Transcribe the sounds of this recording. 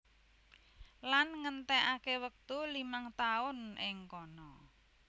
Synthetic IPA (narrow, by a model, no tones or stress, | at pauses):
lanŋənt̪ɛʔakewək̚t̪ulimaŋt̪aʊnɪŋkɔnɔ